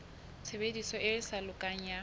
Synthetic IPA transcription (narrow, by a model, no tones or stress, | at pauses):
t͡sʰebedisɔʔɪɪsalʊkʼaŋ̩ja